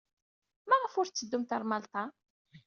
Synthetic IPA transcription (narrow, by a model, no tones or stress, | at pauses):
mæʁəfʊɾt͡sːəd̪ːumt̪ɑɾˤmɑlt̪ˤɑ